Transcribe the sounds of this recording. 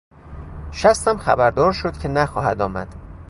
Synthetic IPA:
ʃæst̪æmxæ̰bæɾd̪ɒːɾʃod̪̥cʰʲenæxɒːhæd̪ɒːmæ̰d̪̥

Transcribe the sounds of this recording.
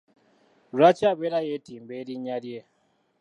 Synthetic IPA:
ɾat͡ʃaβeɾajetimbeliɲalje

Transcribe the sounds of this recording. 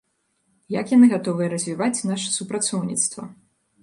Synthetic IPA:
jɐkjanɨɣat̪ɔvɨjɐɾɐzʲvʲivat͡sʲnaʂɐ̥supɾat̪sɔwnʲit̪st̪vɐ̰

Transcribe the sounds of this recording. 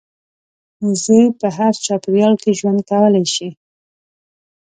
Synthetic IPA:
zəjpəɦaɾt͡ʃɑpɪɾjɑlkeʒwand̪̚kawəlajʃi

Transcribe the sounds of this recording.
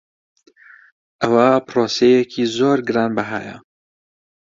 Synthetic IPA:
ʔɐwapɾoːsejɛkʰiːzoːɾɡɨɾɑːnbɐɦa̰ːjɐ̰

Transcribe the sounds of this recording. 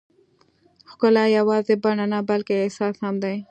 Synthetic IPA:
xkʊlajawɑzebaɳanabalkeːhsɑshamd̪aj

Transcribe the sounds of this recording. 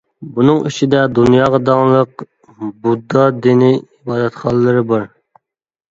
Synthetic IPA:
bunɨŋyt͡ʃʰid̪ɛd̪unjɑːʁɑd̪ɑŋlˠəq | bud̪ːɑd̪iniibɑːd̪ɛt̪χɑlˠəːɨɾɨbɑɾ

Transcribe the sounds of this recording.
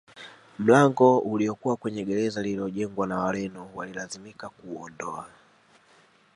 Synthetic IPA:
m̩laŋɡɔuliɔkuwakwɛɲɛɡɛɾɛzalilɔʄɛŋɡwanawalɛnɔwalilazimikakuɔ̰ndɔa

